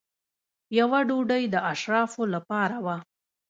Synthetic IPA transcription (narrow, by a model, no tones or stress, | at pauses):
jawaɖoɖəjd̪əʔaʃɾɑfolapɑɾawa